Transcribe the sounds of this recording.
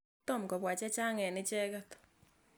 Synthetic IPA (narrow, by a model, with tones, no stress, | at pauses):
to˦˨m̩˨kɔ˨βwa˨t͡ʃɛ˦t͡ʃa˦ŋɛ˨nɪ˦t͡ʃɛ˦ka˦t̪o̥